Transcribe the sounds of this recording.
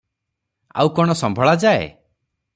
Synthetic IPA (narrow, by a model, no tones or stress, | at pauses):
a̰wkɔɽ̃ɔsɔmbʱɔɭad͡ʒaḛ